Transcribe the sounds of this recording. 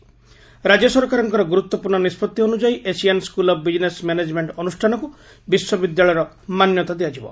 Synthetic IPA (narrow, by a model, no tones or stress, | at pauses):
ɾad͡ʒjɔsɔɾkaɾɔŋkɔɾɔɡuɾut̪wɔpuɾɳɔnispɔt̪ːionud͡ʒaiʔesianskulɔbbid͡ʒinesmened͡ʒmeɳʈɔnusʈʰanɔku | biswɔbid̪jaɭɔjɔɾɔ | manjɔt̪ad̪iad͡ʒibɔ̰